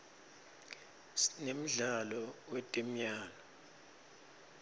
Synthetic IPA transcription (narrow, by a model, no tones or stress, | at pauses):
nem̩ɮalɔwetʼɛm̩jaːlɔ